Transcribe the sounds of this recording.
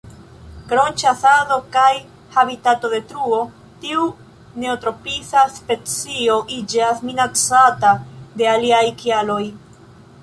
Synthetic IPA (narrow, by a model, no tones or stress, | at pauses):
ɡɾo̞nt͡ʃasaðo̞kaj | habitato̞de̞tɾuo̞ | tiu | ne̞otɾo̞pisaspe̞t͡sio̞ʔid͡ʒasminat͡satade̞aliajkialo̞j